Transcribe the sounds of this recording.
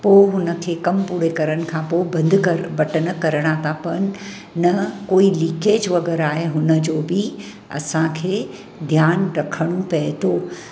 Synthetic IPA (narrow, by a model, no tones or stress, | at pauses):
poːɦʊnə̆kʰeːkɐmpuːɽekɐɾəɽ̃ɪ̆kʰãːpoːɪbɐ̃nd̪kɐɾbɐʈəɽ̃ə̆kɐɾəɽ̃at̪ʰapɐɽ̃ɪ̆ | nɐkoːiliːkeːd͡ʑʋɐɡɛːɾaːɦeɦʊnə̆d͡ʑoːbɪ | ɐ̰sãkʰeː | d̪ʱjaːnɾɐkʰəɽ̃ũpɐɦɪt̪oː